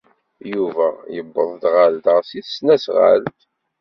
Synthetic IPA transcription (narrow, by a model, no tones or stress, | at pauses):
juvæjəbːə̰ðˤd̪ʁald̪ʁsiθsnæsʁa̰ld̪